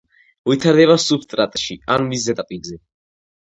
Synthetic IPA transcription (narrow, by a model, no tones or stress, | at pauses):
uit̪ʰaɾd̪ɛβasupʰst̪ʼɾat̪ʼʃianmiszɛd̪ʼapʼilzɛ